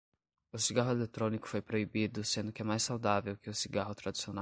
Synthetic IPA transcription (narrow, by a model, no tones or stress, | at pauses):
ʊsiɡaɦʊelet̪ɾõnikʊ̥fojpɾoibid̪ʊsẽnd̪ʊkɪɛmajsawd̪avewkɪʊsiɡaɦʊt̪ɾad͡ʒi̥siona